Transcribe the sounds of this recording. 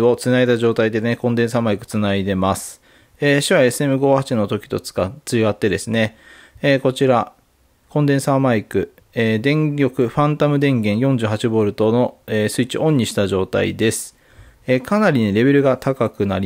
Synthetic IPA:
o̞t͡sɨnait̪aʑo̞ːt̪aid̪e̞ekõ̞nd̪ẽ̞ɰ̃s̬amaikɯ̟̥t͡sɨnaid̪e̞masɨ̥ | eːɕiβae̞sɨe̞mɯ̟ɡo̞ːhat͡ɕino̞t̪o̞kʲi̥t̪o̞t͡sɨ̥kat͡sɨɡat̪ːe̞d̪e̞sɨne̞ | eːko̞t͡ɕiɾa | kõ̞nd̪ẽ̞ɰ̃samaikɯ̟ | eːd̪ẽ̞ŋɡʲo̞kɯ̟ɸãnt̪amɯ̟d̪ẽ̞ŋɡẽ̞ɰ̃jõ̞ɲ̟d͡ʑɨːɦat͡ɕibo̞ːɾɯ̟t̪o̞no̞eːsɨit͡ɕiʔõ̞ɲ̟ːiɕi̥t̪aʑo̞ːt̪a̰ḭd̪e̞sɨ̥ | ekʰanaɾʲineɾe̞βe̞ɾɯ̟ɡat̪ʰakakɯ̟naɾʲi

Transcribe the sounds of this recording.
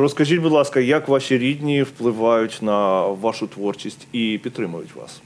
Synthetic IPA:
ɾəskɐʐitʲbʊd̪lˠaskəjakvaɕɪɾʲed̪ʲnʲɪjɪfplˠɨvajʊtʲnɐvaʂʊt̪vo̞rt͡ɕɪsʲtʲipʲɪt̪ɾɨməjʊ̰tʲva̰s

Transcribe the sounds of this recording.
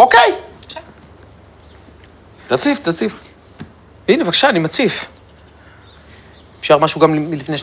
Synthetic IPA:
okej | t̪at͡sift̪at͡sif | vinevakḁʃaːnimat͡sif | efʃaʁmaʃuɡamilifnejʃ

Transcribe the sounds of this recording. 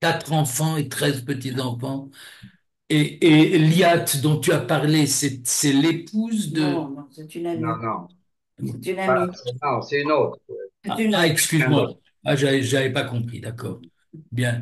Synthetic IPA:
kat̪χɑ̃fɑ̃et̪χɛzpət̪izɑ̃fɑ̃ | eːliat̪d̪ɔ̃t̪yapaʁlesɛsɛlepuzd̪əɛt̪ynaminɔ̃ | nainɔ̃sɛynot̪χwɛa̰aɛkskʲyzmwa | aʒavɛʒəavɛpakɔ̃pχḭd̪akɔːʁ | bjɛ̃

